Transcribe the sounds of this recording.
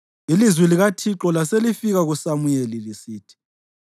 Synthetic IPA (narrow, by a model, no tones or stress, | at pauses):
ilizwiliɣatʰiǁɔlaselifiɣaɣusamujelilisiːtʰi̥